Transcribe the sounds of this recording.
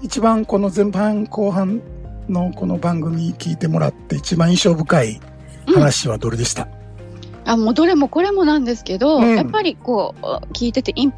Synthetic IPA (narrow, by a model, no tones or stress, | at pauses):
it͡ɕibãŋko̞no̞zẽ̞mpãŋkʰo̞ːɦãnno̞ko̞no̞bãŋɡɯ̟mʲikʲiːt̪e̞mo̞ɾa̰t̪ːe̞it͡ɕibãɰ̃ĩɕo̞ːbɯ̟kai | hanaɕiβ̞ad̪o̞ɾed̪e̞ɕi̥t̪a | amo̞ːd̪oɾemo̞ko̞ɾe̞mo̞nãnd̪e̞sɨ̥ke̞d̪o̞japːaɾʲiko̞ːkʲiːt̪e̞t̪e̞ʔĩmp